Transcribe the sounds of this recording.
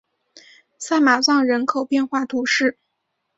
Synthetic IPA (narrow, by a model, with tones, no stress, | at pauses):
sa˥˩ɪma˨˩t͡sɑ˥˩ŋɻə˧˥nkʰo˨˩ʊpjɛ˥˧nxwa˥˩t̪ʰu˧˥ʂɻ̩˥˩